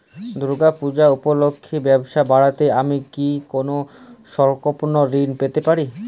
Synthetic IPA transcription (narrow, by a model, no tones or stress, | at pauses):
d̪ɾuɡapud͡ʑaupolokʰːibɛboʃabaɽat̪eamikikonoʃɔɾkoponoɾinpet̪epaɾi